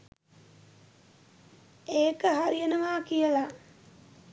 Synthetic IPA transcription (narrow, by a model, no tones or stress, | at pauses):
eːkəɦaɾijənəʋaːkijəla